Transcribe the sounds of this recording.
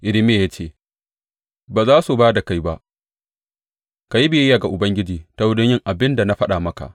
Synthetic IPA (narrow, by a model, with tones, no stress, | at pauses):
ʔɪ˨lɪ˦me˦˨ja˦t͡ʃeː˦˨ | baː˨zaː˦su˨baː˦da˨ka˦jba˦ʔ | ka˨ji˦bɪ˨jɛ˦jaː˨ɡa˨ʔʊ˨bɐ˦ŋɡʲɪ˦d͡ʒiː˨ta˦wʊ˦dʊ˦ɲjɪ˦ŋʔa˨bɪ˦nda˨na˦ɸɐ˦ɗa˨mɐ˦ka̰˨ʔ